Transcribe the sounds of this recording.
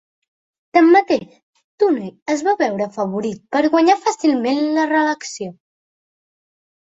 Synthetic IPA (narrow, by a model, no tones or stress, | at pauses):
t̪əmːət̪eʃ | t̪uneəzβaβɛwɾəfəβ̞uɾit̪̚pəɾɣwəɲafəsilˠmenlərələksio